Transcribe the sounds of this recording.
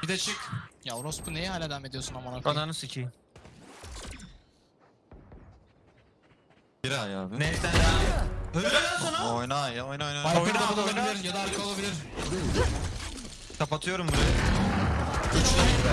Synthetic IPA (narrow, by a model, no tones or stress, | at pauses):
bid̪ɛt͡ʃʰɯkjaoɾospʰunejɛɦaːlʲad̪æmed̪ijosunamanakananɯsit͡ʃʰij | biɾajaːbɪnɛt̪ænajaøeaonojnajaojnojnaajɯnaaulˠabilʲilʲiɾjad̪aːɾkʰɯo̞lˠabilʲiɾ | uɾi | kʰapat̪ʰɯjo̞ɾumbuɾaja | øt͡ʃlʲei